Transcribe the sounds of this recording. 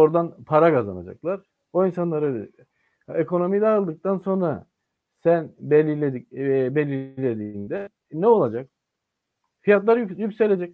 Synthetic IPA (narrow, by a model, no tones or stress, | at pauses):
o̞ɾd̪anpʰaɾakaza̰na̰d͡ʒa̰klˠaɾ̥ | oinsanlˠaɾølʲɛ | ekʰo̞no̞mid̪aɯlˠd̪ɯk̚t̪ʰanso̞nɾa | sænbelʲilʲed̪ibelʲilʲed̪iːnd̪ɛ | nɛo̞lˠad͡ʒak | fijat̪lˠaɾjykse̞lʲed͡ʒɛc̚